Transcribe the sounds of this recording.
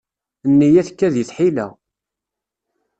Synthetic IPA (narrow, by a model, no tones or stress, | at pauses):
nːijæθkːæðjəθħilæ̰